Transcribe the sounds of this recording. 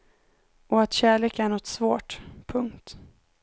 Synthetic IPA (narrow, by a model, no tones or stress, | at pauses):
ʔɔat̪ɕæːɭeːkæɳɔt̪svoːʈpʰɵŋkt̪